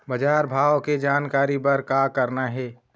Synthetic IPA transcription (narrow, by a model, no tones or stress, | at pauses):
bəd͡ʒaːɾbʱaːʋked͡ʒaːnkaːɾipɐɾkakəɾnaɦɛː